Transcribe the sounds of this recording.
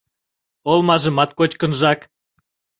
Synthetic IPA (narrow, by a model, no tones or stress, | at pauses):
olmɑʒəmɑt̪̚kot͡ɕkənʒɑk